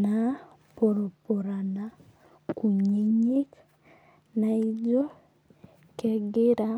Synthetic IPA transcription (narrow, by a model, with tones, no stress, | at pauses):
na˨ | po˨ɾo˨po˨ɾa˨na˨ | ku˨ɲe˦ɲi˦k | na˨i˦d͡ʒo˦ | kɛ˦ɡɪ˦ɾa˦